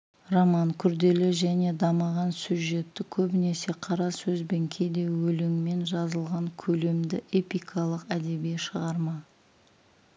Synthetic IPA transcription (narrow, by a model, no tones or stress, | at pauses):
romɑŋkʲʰʏɾd̪e̞lɪʒæne̞d̪ɑməʁɑnsʲuʒe̞t̪ːɪkʲʰɵbɪne̞se̞qʰɑɾɑsɵzbe̞ŋkʲʰe̞jd̪e̞wɵlɪŋme̞nʒɑzəlˠʁɑŋkʲʰɵle̞md̪ɪʔe̞pijkʰɑlˠəqæd̪e̞bijeʃəʁɑɾmɑ